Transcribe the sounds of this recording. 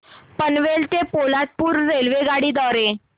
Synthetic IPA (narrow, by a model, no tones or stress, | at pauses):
pənʋelt̪epolat̪̚puːɾːelʋeɡaɽiːd̪ɔɾe